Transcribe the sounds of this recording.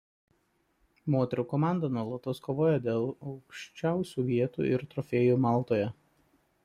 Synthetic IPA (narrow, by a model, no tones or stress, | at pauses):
moːt̪ʲɛɾʲuːkɔmɑˑnd̪ɐnuɔlˠɐt̪oːskoːʋoːjɛd̪ʲeːlˠɒʊkʃʲt͡ʃʲæˑʊsʲuːʋʲiɛt̪ṵːɪ̰ɾt̪ɾɔfʲeːjuːmɑˑlˠt̪oːjɛ